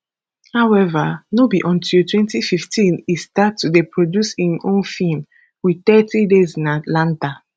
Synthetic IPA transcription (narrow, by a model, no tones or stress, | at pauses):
haʊɛvanobiʔɔ̃ntʰiltwɛ̃ntififtĩnistatːudepɹodjusĩnʔõnfilm | wit̪ɛtʰidezĩnatlãnta